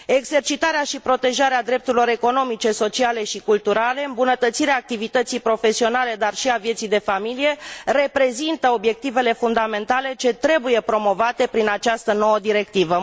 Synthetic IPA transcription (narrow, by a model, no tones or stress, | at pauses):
e̞ɡze̞rt͡ʃit̪aɾeaʃipɾo̞t̪e̞ʒaɾead̪ɾe̞p̚t̪uɾilo̞ɾe̞ko̞no̞mit͡ʃe̞so̞t͡ʃiale̞ʃikult̪uɾale̞ɨmbunət̪ət̪siɾeaːk̚t̪ivit̪ət̪sijpɾo̞fe̞sio̞nale̞d̪arʃiavjet̪sijd̪e̞familije̞re̞pɾe̞zint̪əo̞bje̞k̚t̪ive̞le̞fund̪ame̞nt̪ale̞t͡ʃe̞t̪ɾe̞buje̞pɾo̞mo̞vat̪e̞pɾinat͡ʃast̪əno̞wəd̪iɾe̞k̚t̪ivə